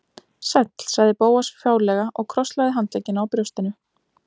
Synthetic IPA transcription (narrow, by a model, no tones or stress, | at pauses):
sɛt̪l̥saɣðɪpoːwasfjaːwɾlɛɣaʔɔɣkʰɾɔst̪laðɪɦant̪ɛcːɪnawpɾjowst̪ɪnʏ